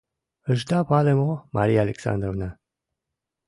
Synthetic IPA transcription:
əʒd̪apalemomaɾijaːleksa̰nd̪ɾovna

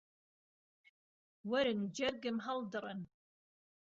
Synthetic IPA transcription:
wɐɾɨnd͡ʒɛrɡɨmɦɐldɨrən

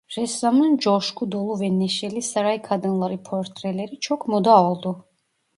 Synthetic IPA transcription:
ɾɛszamand͡ʒɔɾʃkʰud̪ɔlˠuvɛnɛʃɛlisaɾajkʰad̪ɯnlˠɑɾipʰɔɾt̪ʰɾɛlɛɾit͡ʃʰɔkʰmɔd̪aɔlˠd̪u

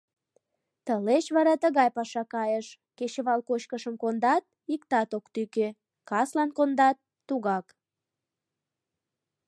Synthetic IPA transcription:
t̪əlet͡ɕβɑɾɑt̪əɣɑjpɑʃɑkɑjəʃ | ket͡ɕəβɑlkoɕkəʃəmkond̪ɑt̪̚ikt̪ɑt̪okt̪yke | kɑslɑnkond̪ɑt̪ːuɣɑk

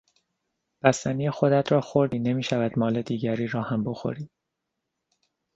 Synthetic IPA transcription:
b̥æst̪æniːjexo̞d̪æt̪ɾɒːxo̞ɾd̪iːne̞miːʃævæd̪mɒːle̞d̪iːɟæɾiːɾɒːhæmbo̞xo̞̰ɾi̥ː

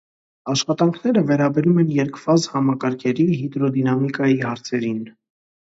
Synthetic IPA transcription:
ɑʃχɑt̪ɑŋkʰn̪ɛɾəvɛɾɑbɛɾumɛnjɛɾkʰvɑzhɑmɑkɑɾkʰɛɾiɦid̪ɾɔd̪inɑmikɑjihɑɾt͡sʰɛɾin

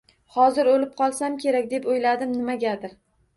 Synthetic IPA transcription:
hɒzɪɾolɪp̚qʰɒlˠsamkʲʰe̞ɾakʲd̪e̞pojlad̪ɪmnɪmaɡʲad̪ɪɾ

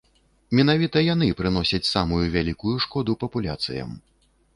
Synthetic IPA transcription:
mʲɛn̪avʲit̪ɐjan̪ɨpɾɨnɔsʲɐt͡sʲsamujuvʲalʲikujuʂkɔd̪upɐpulʲa̰t̪sɨ̰jɐ̰m

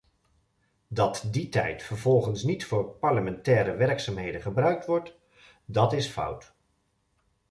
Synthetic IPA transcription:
dɑtditɛ̰jtfəɹvɔlˠχənsnitfʊːɹpɑɹləmɛntɛːɾəʋɛɹksaːmɦejdəχəbrœɥk̚tʋɔɹt | dɑtɪsfʌ̰wt

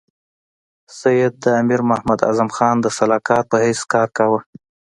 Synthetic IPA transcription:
sajɪd̪̚ːəamiɾmahmad̪a̰zamxɑnd̪əsalɑkɑɾ̚pəheskɑɾkawə

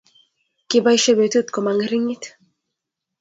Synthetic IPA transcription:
kibajʃebet̪ut̪komaŋɾiŋit̪

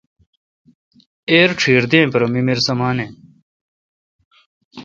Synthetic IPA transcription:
eːɾʈ͡ʂʰiːɾd̪ẽːpɾomimiɾsɐmaːnẽː

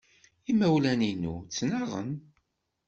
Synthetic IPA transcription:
imæwlæninṵt͡sːnɑʁə̰n

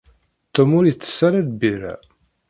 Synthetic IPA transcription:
t̪ːəmʊɾjt͡sːə̥sːaɾaðbiɾæ̰

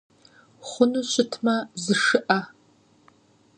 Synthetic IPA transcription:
χʷʊnuːɕɪtʰmɐzɨʂɨʔɐ

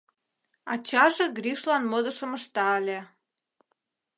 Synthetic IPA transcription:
ɑ̰t͡ɕɑʒĕɡriʃlɑnmod̪ə̆ʃəməʃt̪ɑəlʲe

